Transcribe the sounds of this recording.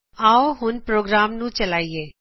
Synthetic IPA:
aːoɦʊnpɾoːɡɾaːmnũt͡ʃəlaːieː

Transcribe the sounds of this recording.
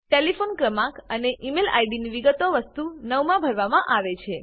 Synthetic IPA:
ʈelifonkɾəmãkəneʔimela̰iɖiniʋiɡət̪oʋəst̪unəʋmãbʱəɾʋamãʔaʋet͡ʃʰe

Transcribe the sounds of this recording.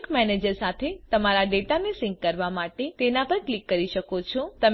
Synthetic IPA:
kmɛned͡ʒəɾsat̪ʰet̪əmaɾaɖeʈanesɪ̃ŋɡkəɾʋamaʈet̪enapəɾklikːəɾiʃəkot͡ʃʰɔt̪əm

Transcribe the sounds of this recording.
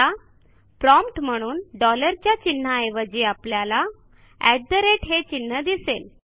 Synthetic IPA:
a | pɾɔmpʈm̤əɽ̃uːnɖɔləɾt͡ɕjat͡ɕinːajʋəd͡ʑiːapljala | ɛd̪əɾeʈɦet͡ɕinːəd̪isel

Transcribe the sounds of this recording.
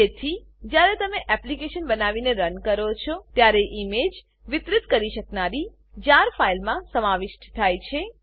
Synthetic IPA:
et̪ʰi | d͡ʒjaɾet̪əmeʔɛplikeʃənbənaʋineɾənkəɾot͡ʃʰot̪jaɾeʔimed͡ʒ | ʋɪt̪ɾɪt̪kəɾiʃəknaɾi | d͡ʒaɾfailmãsəmaʋɪʃʈt̪ʰajt͡ʃʰe

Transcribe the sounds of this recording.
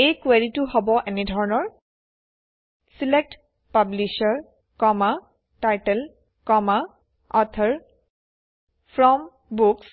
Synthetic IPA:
ejkweɹituɦɔbɔʔɛnɛdʱɔɹɔnɔɹ | silek̚t | pabliʃaɹ | kɔma | tajtɛl | kɔma | ɔt̪ʰaɹ | pʰɹɔm | buks

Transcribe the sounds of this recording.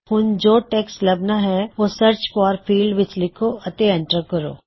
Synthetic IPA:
hʊnd͡ʒoːʈeːkslɐbnaɦɛʋoːsəɾt͡ʃfɔːɾfʰiːlɖʋɪt͡ʃlɪkʰoɐt̪eɛ̃ɳʈəɾkəɾo̰ː

